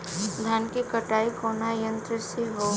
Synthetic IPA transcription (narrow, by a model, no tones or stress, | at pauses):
d̪ʱjaːnkikəʈaːikʰoːnajə̃nt̪ɾəsiɦo